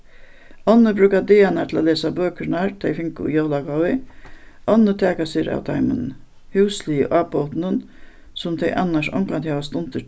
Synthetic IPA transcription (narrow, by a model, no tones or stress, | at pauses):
ɔnːəbɾʉːkad̪eːanaɾt̪ʰɪlaleːsabøːkəɾnaɾt̪ʰejfɪŋkʊ̰jowlaɡawɪ | ʔɔnːət̪ʰɛːkaseɾa̰wt̪ʰa̰ɪmə̰n | hʉwsliːə̰ʔɑːpoʊt̪nən | sʊmt̪ʰɛɪʔa̰nːaʂɔ̰ŋkant̪haːʋast̪ʊnt̪ə